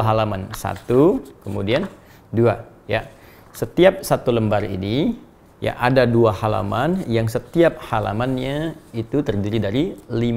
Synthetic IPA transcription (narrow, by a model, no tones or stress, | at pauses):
ɦalamansa̰t̪ukəmudian | dua | ja̰ | sət̪iap̚sat̪uləmbaɾḭni | ja̰ʔadaduahala̰manjaŋsət̪iap̚hala̰manɲait̪ut̪ərdiɾidaɾilim